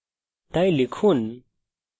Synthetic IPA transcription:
t̪ajlikʰun

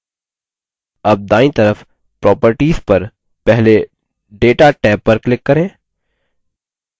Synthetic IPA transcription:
ɐb̚d̪aːĩt̪ɐɾəf | pɾɔːpəɾʈiːzpɐɾ | pɛɦle | ɖeːʈaʈɛːpːɐɾklɪkːɐɾẽː

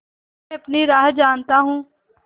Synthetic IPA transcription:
ɐpniɾaːɦd͡ʒaːnt̪aɦũː

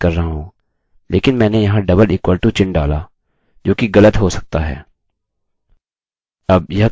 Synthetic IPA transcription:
kɐɾːɐɦaɦõː | lʔḛːkɪnmɛ̃ːnejɐɦãɖɐbəliːkwaːlʈut͡ʃɪ̃ɳɖaːla̰ | d͡ʒoːkiɣɐlət̪ɦosɐk̚t̪aɦɛ̰ː | ɐb̚jɐ

